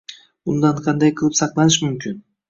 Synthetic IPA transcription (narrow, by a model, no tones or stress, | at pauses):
ʊnd̪aɴqʰɑnd̪ajqʰɨlˠɪpsɑqlˠɑnɪʃmʊmkʲʰɪn